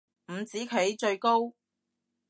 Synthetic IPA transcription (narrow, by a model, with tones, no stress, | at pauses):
m̩˨˩t͡siː˨˥kʰe˨˥jt͡ʃɵ˧ɥko˥w